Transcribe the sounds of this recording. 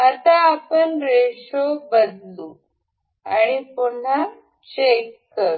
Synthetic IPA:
at̪aːpənɾeʂobəd̪lu | a̰ɽ̃ipoɳ̤a | t͡ɕekːəɾ

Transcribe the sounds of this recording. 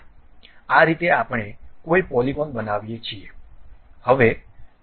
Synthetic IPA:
aɾit̪eapəɳekoipɔlibɔnbənaʋjet͡ʃʰie | həʋe

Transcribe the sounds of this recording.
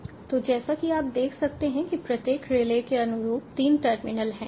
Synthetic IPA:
t̪od͡ʒɛːsakiaːp̚d̪eːkʰsɐk̚t̪eɦɛ̃kipɾɐt̪jeːkɾeːlekeɐnʊɾuːpt̪iːnʈəɾmɪnəlɦɛ̃ː

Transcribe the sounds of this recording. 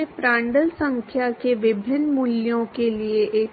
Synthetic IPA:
epɾãːɳɖəlsə̃ŋkʰjakeʋɪbʱɪnmuljõkelieʔeː

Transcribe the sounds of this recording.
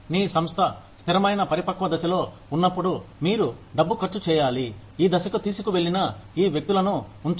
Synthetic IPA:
niːsɐmst̪ʰɐ | st̪ʰiɾɐmɐjnɐpɐɾipɐkʋɐd̪ɐsɐlo̞ː | unːɐpːuɽumiːɾuɖɐbːukɐɾt͡ʃːut͡ʃɛːjaːli | iːd̪ɐsɐkut̪iːsu̥kuʋe̞ɭːinɐiːʋjek̚t̪ulɐnuuɳt̪

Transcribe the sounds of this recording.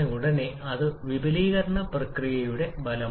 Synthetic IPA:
euɽɐneɐðɨʋibʱɐliːɣɐɾɐɳɐprɐkrijɐjuɽe̞bɐlɐ

